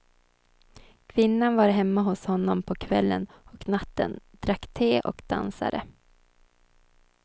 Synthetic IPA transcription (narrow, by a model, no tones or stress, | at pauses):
kʰvɪnːanvaɾɦɛmːaɦʊshɔnːɔmpʰɔkʰvɛ̰lːə̰nɔknat̪ːə̰nd̪̥ɾakːt̪ʰeːʔɔ̰kd̪̥a̰nsa̰d̪ə